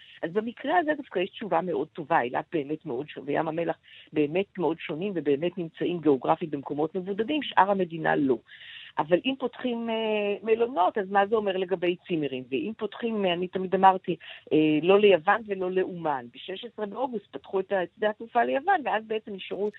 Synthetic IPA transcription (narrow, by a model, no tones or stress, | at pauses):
ʔazbemikʁeazedafkajeʃtt͡ʃuvame̞ʔo̞d̚to̞vaḛla̰t̚be̞ːme̞tmeo̞dʃonveja̰mame̞laχbe̞ːme̞tmeo̞dʃo̞nimvebe̞ːmetnimt͡saʔimɡe̞oɡʁafimbemko̞mo̞tmevudadimʃʔa̰ʁhame̞dina̰lo̞ʔavalʔimpo̞tχimeːelo̞no̞tazmazeo̞me̞ʁle̞ɡabe̞jt͡sime̞ʁimveʔimpotχimanitamidamaʁtiʔelo̞le̞javanve̞lo̞le̞ʔumanbeʃeʃesʁebeo̞ɡust̚patχuetaet͡sd̪ahatufalejavanveazbeet͡semiʃaʁu